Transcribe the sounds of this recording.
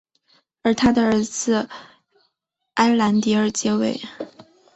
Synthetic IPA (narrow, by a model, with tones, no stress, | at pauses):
ə˞˧˥t̪ʰa˥d̪ə˨ə˞˧˥d͡zɹ̩˧ | a˥ɪla˧˥nt̪i˧˥ə˞˥˧t͡ɕjɛ˥we˥˩ɪ